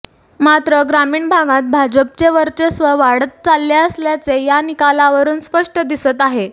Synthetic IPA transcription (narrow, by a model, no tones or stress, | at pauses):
mat̪ɾəɡɾamiːɳbʱaɡãt̪̚bʱad͡ʑəp̚t͡ɕeʋəɾt͡ɕesʋəʋaɽət̪̚t͡salːjaəsljat͡sejanikalaʋəɾuːnspəʂʈəd̪isət̪aɦe